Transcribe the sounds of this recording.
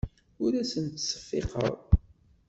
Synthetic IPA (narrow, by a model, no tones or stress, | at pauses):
ʊɾæsənt̪sə̥fːḛqə̰ɾˤ